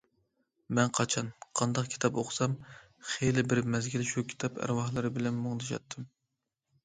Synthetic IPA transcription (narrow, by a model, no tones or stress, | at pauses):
mɛnqʰɑt͡ʃʰɑnqʰɑnd̪ɑqkʲʰi̥t̪ʰɑpoχʰsɑm | χelɪbɪɾmɛzɡʲilɪʃukʲʰi̥t̪ʰɑpʰæ̰ɾwɑhlˠɨɾɨbɪlɛnmoŋd̪ɨʃɑ̰t̪ʰːɨm